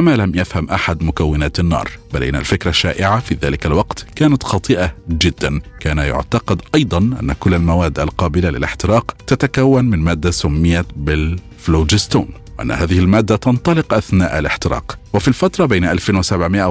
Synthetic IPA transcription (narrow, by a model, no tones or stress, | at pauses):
amalamjafhamʔaħad̪mʊkawːɪnaːt̪anːɑ̰ːɾˤb̥alʔɪ̰nːa̰lfɪkɾˤaʃːaːʔɪʕafiːðaːlɪkalwɑqt̪kaːnat̪xɑt̪ˤɨʔad͡ʒɪd̪ːankaːnajʊ̰ʕt̪ɑqɑd̪ʔɑjd̪ˤɑnʔa̰nːakʊlːalmawaːd̪ːalqɑːbɪlalɪ̰lɪħt̪ɪɾɑːqt̪at̪akawːanmɪnmaːd̪ːasʊmːɪjabɪl | floːd͡ʒɪst̪uːnwɪʔa̰nːa̰haːðɪhɪlmaːd̪ːat̪ɑnt̪ˤɑlɪqʔaθna̰ːʔalɪħt̪ɪɾɑ̰ːqwɪfilfat̪ɾˤɑbeːnʔalfenwɪsabʕmɪʔa